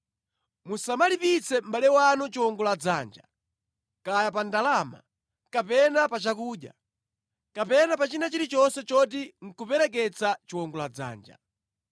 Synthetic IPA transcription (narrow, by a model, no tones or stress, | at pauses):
musamalipit͡sʰɛm̩balɛwanɔt͡ʃiwɔŋɡɔlad͡zaːnd͡ʒa | kajap̬andalama̰ | kapɛnapat͡ʃakuːɗja̰ | kapɛnapat͡ʃinat͡ʃiɾit͡ʃɔnsɛt͡ʃɔt̬iŋ̩kupɛɾɛk̬ɛt͡sat͡ʃiwɔŋɡɔlad͡za̰ːnd͡ʒa̰